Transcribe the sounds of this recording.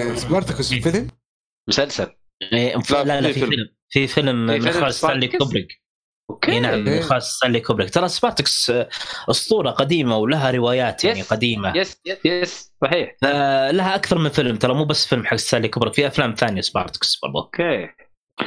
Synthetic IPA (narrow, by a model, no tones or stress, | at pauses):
sbɑɾt̪ɪksfɪlm | mʊsalsal | ʔeːfalalːafiɪlm | fifɪlmmxaːssaːnliːkʊbɾɪɡ | okeenaʕamːxɑːsˤt̪aːnlikʰʊbɾɪɡt̪ɑlˤɑsbɑːɾˤt̪ɪksʔɨsˤt̪ˤuːɾˤɑqad̪iːmawlaɦaɾɪwaːjaːt̪janiqad̪iːmajssˤɑħiːħfalaɦaʔakθɑɾˤmɪnfɪlmt̪ɑlɑmuːbasːfɪlmħaɡst̪aːnlikʊbɾɪkfiʔaflaːmθaːnjasbɑ̰ɾˤt̪ɪ̥ksb̥ɑ̰ɾˤd̪ˤo̰